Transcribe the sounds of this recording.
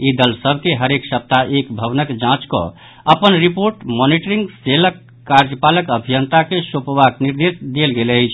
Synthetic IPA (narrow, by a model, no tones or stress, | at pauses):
id̪əlsəbʱkeɦəɾeksəp̚t̪aʔekbʱəβnəkd͡ʒãt͡ʃkɔ̰ | əpənɾipoɾʈmɔniʈəɾiŋɡseləkː | aɾd͡ʒəpaləkəbʱijənt̪akesopʋakniɾd̪esd̪elɡeləjt͡ʃʰ